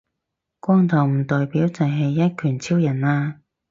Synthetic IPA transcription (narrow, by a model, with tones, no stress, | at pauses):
kʷɔː˥ŋt̪ʰɔ˨˩wm̩˨˩t̪ɔː˨jpiː˨˥wt͡sɐ˨jɦɐ˨jːɐ˥t̚kʰyː˨˩nt͡sʰi˥wjɐ˨˩naː˧